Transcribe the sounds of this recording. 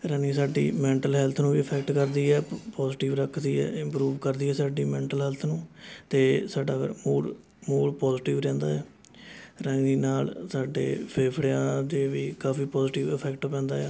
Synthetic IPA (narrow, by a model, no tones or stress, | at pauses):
ɾə̃ŋiːsaːɖḭːmɛ̃ːɳʈəlɦɛːlt̪ʰnũːʋiːəpʰɛːk̚ʈkəɾd̪iːɛːpɔːzʈɪːʋɾəkʰd̪iːɛ̰ːɪ̃mpɾuːʋkəɾd̪iːɦɛːsaːɖiːmɛ̃ːɳʈəlɦɛːlt̪ʰnũːt̪eːsaːɖaːɡə̰ɾmuːɽ | muːɽpɔːzːʈɪːʋɾɛ̃ːnd̪a̰ːɛː | ɾə̃ŋɡiːnaːlsaːɖḛːpʰeːpʰɽeãːd̪eːʋiːkaːfiːpɔːzʈiːʋɪpʰɛːkʈopɛ̃ːnd̪aːɛː